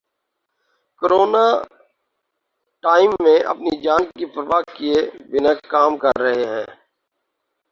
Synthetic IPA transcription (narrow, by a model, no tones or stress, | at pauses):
koɾoːna | ʈaːɪmːẽʔɐ̰pnid͡ʒaːnkipɾʋaːɡkiebɪnakːaːmkɐɾːɐɦeɦɛ̰̃ː